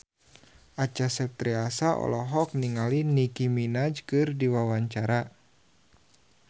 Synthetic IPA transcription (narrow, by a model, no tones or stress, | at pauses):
ʔat͡ʃasɛp̚t̪ɾiasaʔɔ̰lɔɦɔk̚niŋalinikiminad͡ʒkɨrdiwawaɲt͡ʃaɾa